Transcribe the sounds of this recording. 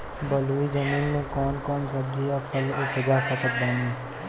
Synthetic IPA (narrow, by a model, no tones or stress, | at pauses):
bɐluːid͡ʒɐmiːnmẽkɔːnkɔːnsɐb̚d͡ʒiapʰəlʊpəd͡ʒasɐkət̪̚bɛneː